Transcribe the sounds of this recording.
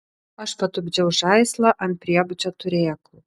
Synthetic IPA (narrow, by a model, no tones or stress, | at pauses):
ɐʃpɐt̪ʊbʲd͡ʒʲɛʊʒɑɪslˠɐʔɐnt̪̚pʲɾʲiɛbʊt͡ʃʲot̪ʊɾʲeːkʊ